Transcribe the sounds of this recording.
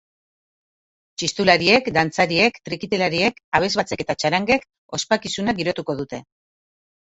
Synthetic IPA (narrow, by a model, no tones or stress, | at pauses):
t͡ʃist̪ulaɾie̞kd̪ant͡saɾie̞kt̪ɾikit̪elaɾie̞kaβ̞e̞zβat͡se̞ke̞t̪at͡ʃaɾaŋɡe̞k | o̞spakisunaɡiɾo̞t̪uko̞ðut̪e̞